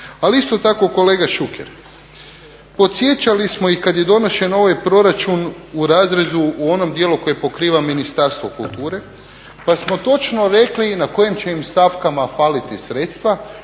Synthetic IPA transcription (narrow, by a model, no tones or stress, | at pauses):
aliist̪o̞t̪ako̞ko̞le̞ːɡaʃukḛɾ | po̞t̪sjet͡ʃalismo̞ikad̪je̞d̪o̞no̞ʃe̞no̞ʋajpɾo̞ɾat͡ʃun | uɾaːzɾe̞zuuo̞no̞md̪jeluko̞je̞po̞kɾiːʋaminist̪aɾst̪ʋo̞kulˠt̪uːɾe̞ | pasmo̞t̪o̞t͡ʃno̞ɾe̞klinako̞jemt͡ʃe̞imst̪afkamafaːlit̪isɾet̪st̪ʋa